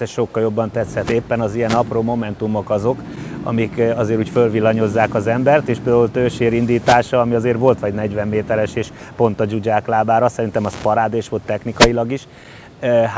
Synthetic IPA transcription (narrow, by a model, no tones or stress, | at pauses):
ɛʃo̞kːɒljobːɒnt̪ɛt̪sɛt̪eːpːɛnɒzijɛnɒproːmo̞mɛnt̪umo̞kɒzo̞k | ɒ̰mikɒzeːɾuːcfølʋilːɒɲo̞zːaːkɒzɛmbɛrt̪eːʃpeld̪aːult̪øːʃeːɾind̪iːt̪aːʃɒːmiɒzeːrʋo̞lt̪ʋɒɟnɛɟʋɛmːeːt̪ɛɾɛʃeːʃpo̞nt̪ɒd͡ʒuɟaːklaːbaːɾɒsɛɾint̪ɛmɒspɒɾaːd̪eːʃʋo̞lt̪ːɛxnikɒilɒɡiʃ | ɦ